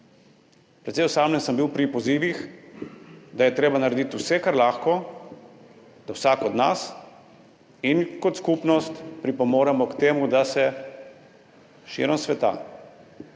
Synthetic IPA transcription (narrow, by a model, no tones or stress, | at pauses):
pɾɛt̪sɛjɔsaːmlɛnsəmbiwpɾipɔziːʋix | d̪ajɛt̪ɾeːbanaɾed̪it̪usɛkaɾlaːxkɔ | d̪̥awsaːkɔd̪nas | inkɔt̪skupnɔst̪pɾipɔmoːɾɛmɔkt̪eːmud̪asɛ | ʃḭɾəmsʋɛt̪a̰ː